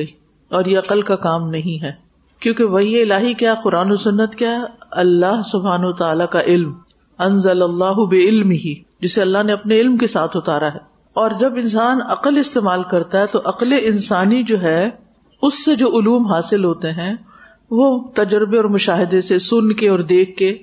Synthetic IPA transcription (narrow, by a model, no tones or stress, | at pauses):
iː | ɔːɾjeɐqəlkakaːmnɐɦĩɦɛː | kjõːkeʋɐɦieɪlaːɦikjaːɦɛqʊɾaːnosʊnːət̪kjaːɦɛɐlːaɦsʊbʱɦaːnɐt̪aaːlakaʔɪlm | ɐ̃nzɐlɐlːaːɦʊbɪɪlmɪɦi | d͡ʒɪseɐlːaɦneɐpneɪlmkesaːt̪ʰɦʊt̪aːɾaɦɛː | ɔːɾd͡ʒɐbɪnsaːnɐqəlɪst̪eːmaːlkɐɾt̪aɦɛt̪oʔɐqleʔɪnsaːnid͡ʒoːɦɛ | ʊsːed͡ʒoːʔʊluːmɦaːsɪlɦoːt̪eɦɛ̃ | ʋot̪ɐd͡ʒɾɪbeɔːɾmʊʃaːɦɪd̪esesʊnkeɔːɾd̪eːkʰːe